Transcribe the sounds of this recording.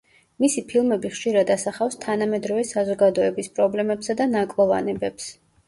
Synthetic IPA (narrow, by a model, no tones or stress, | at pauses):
misipʰilˠmɛbiχʃiɾad̪asaχafst̪ʰanamɛd̪ɾɔvɛsazɔɡad̪ɔɛbispʼɾɔblɛmɛpsad̪anakʼlˠɔva̰nɛbɛps